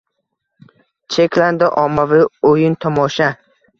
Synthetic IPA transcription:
t͡ʃʰekʲland̪ɪʔɒmːavɪojɪnt̪ʰɒmɒʃa

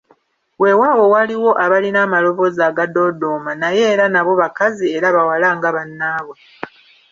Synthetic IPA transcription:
we̞waːwo̞waliwo̞ʔaβalinaːmalo̞βo̞zaːɡado̞ːdo̞ːmanaje̞ːɾanaβo̞βakazieɾaβawalaːŋɡaβanːaːβwe

